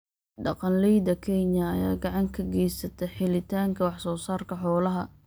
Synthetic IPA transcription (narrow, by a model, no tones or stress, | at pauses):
ɖɑqɑnlɛjd̪ɐkʰɛɲɐːjaːɡɑʕɑŋkʰɐɡɛjsɐt̪ʰɛħɪlɪt̪ʰaːŋkʰɐwɑħsɔːsaːrkʰɐħɔːlɐɦɐ